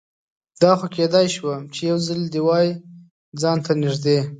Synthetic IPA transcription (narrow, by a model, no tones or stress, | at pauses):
d̪ɑxoked̪ɑjʃwamt͡ʃejawzald̪iwɑji | d͡zɑnt̪anɪʒd̪e